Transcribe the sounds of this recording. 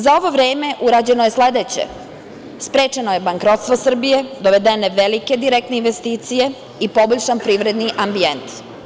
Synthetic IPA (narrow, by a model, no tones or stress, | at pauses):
zao̞ʋo̞ʋɾeːme̞ʔuɾaːd͡ʑe̞noje̞sle̞d̪et͡ɕḛ | spɾeːt͡ʃenoje̞baŋkɾo̞t̪st̪ʋo̞sr̩bije̞d̪o̞ʋe̞d̪e̞ne̞ʋelike̞d̪iɾek̚t̪neinʋest̪iːt̪sije̞ | ipo̞boʎʲʃanpɾiːʋɾe̞d̪niʔambient̪